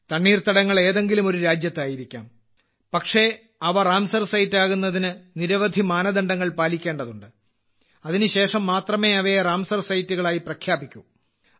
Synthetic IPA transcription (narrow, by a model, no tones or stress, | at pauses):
t̪ɐɳːiːrt̪ɐɽɐŋːɐɭe̞ːðe̞ŋɡilumo̞ɾuɾaːd͡ʑjɐt̪ːaːjiɾikʲːa̰ːm | pɐkʂe̞ | ɐʋɐraːmsɐrsɐjtːaːɣunːɐðinɨniɾɐʋɐd̪ʱimaːnɐd̪ɐɳɖɐŋːɐɭpaːlikʲːeːɳɖɐðuɳɖɨ | ɐðinɨɕe̞ːʂɐmːaːt̪rɐme̞ːɐʋeraːmsɐrsɐjtːuɣɐɭaːjiprɐkʰjaːbikʲːu